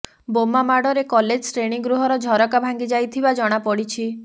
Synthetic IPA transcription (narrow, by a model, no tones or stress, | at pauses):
bomamaɽɔɾekɔled͡ʒsɾeɽ̃iɡɾuɦɔɾɔd͡ʒʱɔɾɔkabʱaŋɡid͡ʒajt̪ʰibad͡ʒɔɽ̃apɔɽit͡ʃʰi